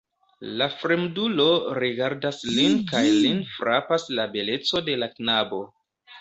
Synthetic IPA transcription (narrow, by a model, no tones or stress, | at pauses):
lafɾemdulo̞ɾiɡaɾdaslinkajlinfɾʔapaslabe̞le̞t͡so̞de̞laknabo̞